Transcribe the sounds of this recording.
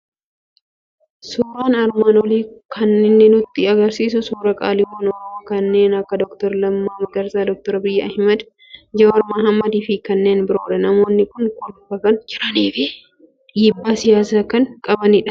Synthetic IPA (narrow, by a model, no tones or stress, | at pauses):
suːɾaːnɐɾmaːnwɔliːkʰɐnːɪnːɪnʊt̪ːɪɐɡɐɾsiːs̬ʊsuːɾɐkʼa̰ːlɪwoːnɔɾɔoːkɐnːe̞ːnɐkːɐd̪ɔkt̪ɔɾlɐmːaːmɐɡɐɾsaːd̪ɔk̚t̪ɔɾɐbɪjːɐɐhmɐd̪ | d͡ʒɐɐɾmɐɦɐmːɐd̪iːfɪkɐnːe̞ːnbɪɾoːɾɛnɐmo̞ːnːɪkʊnkʼʊlʊbɐkɐnd͡ʒɪɾɐniːfɪ | jɪbːaːsɪjaːsakɐnkʼɐbɐniᶑɐ̥